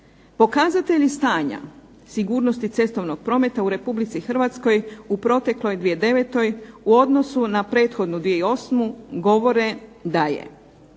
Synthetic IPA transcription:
po̞kazat̪e̞ʎist̪aːɲa̰ | siɡuːɾno̞st̪it̪se̞st̪o̞ʋno̞ɡ̥̚pɾo̞ːme̞t̪auɾe̞publit̪sixr̩ʋat̪sko̞jupɾo̞t̪e̞klo̞jd̪ʋijed̪e̞ʋe̞t̪o̞juo̞d̪no̞sunapɾe̞ːt̪xo̞d̪nud̪ʋijeio̞smuɡo̞ʋo̞ɾe̞d̪ajḛ

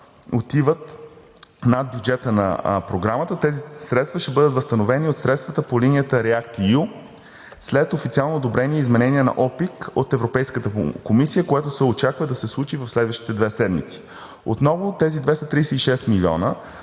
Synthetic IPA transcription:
ot̪ivət̪ | nad̪̚bʲjud͡ʒɛt̪ənɐ̰pɾoɡɾamət̪ət̪ɛzisɾɛt̪st̪vəʃt̪ɛbɤd̪ət̪vəst̪ɐnovɛniot̪sɾɛt̪st̪vət̪əpolinijət̪əɾɛak̚t̪iju | slɛt̪ofit̪sialˠnoːd̪obɾɛniɛizmɛnɛniɛnɐ̰ʔɔpikot̪ɛvɾopɛjskət̪əkomisijəkojat̪osɛot͡ʃakvəd̪ɐsɛslˠut͡ʃivəfslɛd̪vəʃt̪i̥t̪ɛd̪vɛsɛd̪mḭt̪si̥ | ot̪nɔvot̪ɛzid̪vɛst̪ɐt̪ɾijsɛiʃɛst̪milʲiɔ̰nə

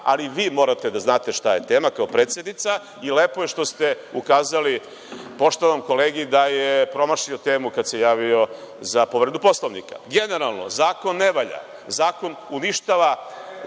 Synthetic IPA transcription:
a̰liʋiːmo̞ɾat̪ed̪aznaːt̪e̞ʃt̪aje̞t̪e̞ːmakaopɾet̪sjed̪nit̪sa | ileːpojeʃt̪o̞st̪e̞ | ukaːzali | po̞ʃt̪oʋomko̞leːɡid̪ajepɾo̞maʃiot̪e̞ːmukad̪se̞jaːʋio̞ | zapo̞ʋɾed̪upo̞slˠoʋnika̰ɡe̞ne̞ɾalˠno̰zaːko̞nːeʋaʎa̰ | zaːko̞nuniʃt̪aʋa

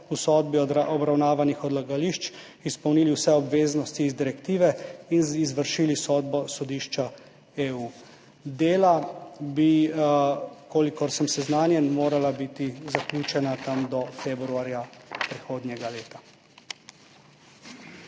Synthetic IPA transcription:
usɔːd̪̚biɔɔbɾawnaːʋanixɔd̪laɡaliʃt͡ʃ | ispəwniːliwsɛɔbʋeːznɔst̪iːzd̪iɾɛkt̪iːʋɛinizʋəɾʃiːlisɔːd̪̚bɔsɔd̪iːʃt͡ʃa | euː | d̪eːlabi | koːlikɔɾsəmsɛznaːnjɛnmoːɾalabit̪izaklʲuːt͡ʃɛnat̪amd̪ɔfeːbɾuaɾjapɾɛxoːd̪nʲjɛɡaleːt̪a

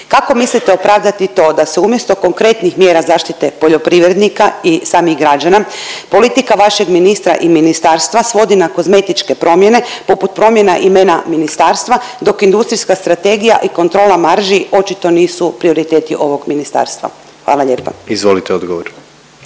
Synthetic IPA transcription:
kako̞mislit̪eo̞pɾaːʋd̪at̪it̪o̞ːd̪aseumjest̪o̞ko̞ŋkɾe̞t̪nixmjeːɾazaːʃt̪it̪e̞po̞ʎo̞pɾiʋɾed̪nikaisaːmiɣɡɾad͡ʒanapo̞lit̪ikaʋaʃe̞ɡminist̪ɾa̰ʔiminist̪aːɾst̪ʋasʋo̞d̪inako̞zme̞t̪it͡ʃke̞pɾo̞mjene̞po̞put̪̚pɾo̞mje̞naʔimenaminist̪aːɾst̪ʋad̪o̞kind̪ust̪ɾiskast̪ɾat̪e̞ɡija̰ʔiko̞nt̪ɾo̞ːlamaɾʒio̞t͡ʃit̪o̞niːsupɾio̞ɾit̪eːt̪iʔo̞ʋo̞ɡminist̪a̰ːɾst̪ʋa̰ | xʋa̰ːlˠaʎe̞ːpa̰izʋolit̪eod̪ɡoʋoɾ

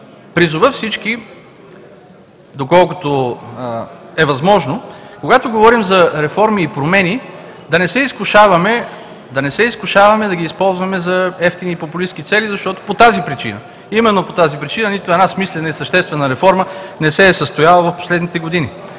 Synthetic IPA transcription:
pɾizʊvəfsit͡ʃki | d̪okɔlˠkʊt̪o | ɛvɐzmɔʒnokoɡat̪oɡovɔɾimzɐɾɛfɔɾmiːpɾomɛni | d̪ɐnɛsɛiskʊʃavɐmɛ | d̪ɐnɛsɛiskʊʃavɐmɛd̪ɐɡʲiːspɔlˠzvɐmɛzɐɛft̪iniːpopʊlisk̟it̪sɛlizɐʃt̪ɔt̪o̥pot̪azipɾit͡ʃḭnə | imɛnːopot̪azipɾit͡ʃinənit̪ʊɛdnasmislɛnəisɐʃt̪ɛst̪vɛnəɾɛfɔɾmənɛsɛːsəst̪ojalˠəvɐfpo̥slɛd̪nit̪ɛɡod̪ini

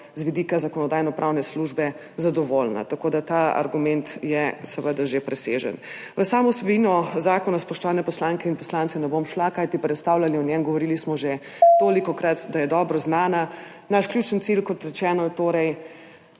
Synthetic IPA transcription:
zʋid̪iːkazakɔnɔd̪aːjnɔpɾʔawnɛsluʒbɛ | zad̪ɔʋolna̰t̪akoːd̪at̪aa̰ɾɡumɛnt̪jɛsəʋəd̪aʒepɾɛseʒə̰n | ʋəsaːmɔwsɛbinɔzaːkɔnaspɔʃt̪ɔʋanɛpɔslaŋkɛinpɔslaːnt̪sɛnɛbomʃlakajt̪ipɾɛt̪st̪awlaliɔnjɛmɡɔʋɔɾilismɔʒe | t̪oːlikɔkɾat̪d̪ajɛd̪ɔːbɾɔznaːna | naʃklʲjuːt͡ʃənt̪silkɔt̪ɾɛt͡ʃɛːnɔjɛt̪oːɾɛj

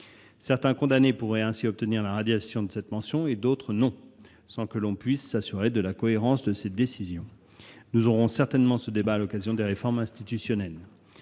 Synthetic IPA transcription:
sɛʁt̪ɛ̃kɔ̃d̪anepuʁɛɛ̃siɔp̚t̪əniʁlaʁad̪jasjɔ̃d̪əsɛt̪mɑ̃sjɔ̃ed̪ot̪χənɔ̃ | sɑ̃kəlɔ̃pɥisːasyʁed̪əlakɔeʁɑ̃sd̪əsed̪esizjɔ̃ | nuzɔʁɔ̃sɛʁt̪ɛnmɑ̃səd̪ebaːlɔkazjɔ̃d̪eʁefɔʁmɛ̃st̪it̪ysjɔnɛl

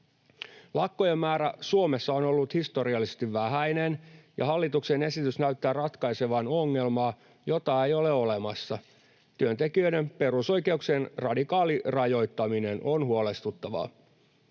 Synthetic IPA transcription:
lɑkːojemːæːɾæ̰suome̞sːɑonolːut̪hist̪o̞ɾiɑlːisest̪iʋʋæɦæinenjʔɑ̰ɦɑlːit̪uksene̞sit̪ysnæyt̪ːæːrɑt̪kɑjse̞ʋɑno̞ŋːe̞lmɑː | jo̞t̪ɑejo̞le̞o̞le̞mɑsːɑ | t̪yønt̪e̞kiøjde̞mpe̞ruso̞jke̞uksenrɑdikɑːlirɑjo̞jt̪ːɑmine̞nʔonhuo̞le̞st̪ut̪ːɑʋɑ̰

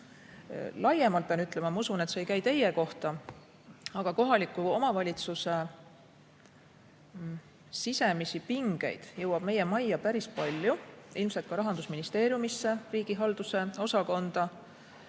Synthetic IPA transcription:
lɑjemɑlt̪̚pɑnyt̪ːˑlemɑmɑusunet̪sejkæjt̪e̞jeko̞ht̪ɑ | ɑɡ̥ɑko̞ɦɑlikːˑuo̞mɑvɑlʲit̪suse̞ | sise̞misipiŋɡ̥e̞̰jd̪̥jɤ̞wɑb̥me̞je̞mɑjːɑpæɾispɑlʲjuilmse̞lt̪̚kɑɾɑɦɑnd̪usminist̪e̞ːɾjumisːeriːɡ̥iɦɑld̪̥use̞o̞sɑko̞nd̪̥ɑ

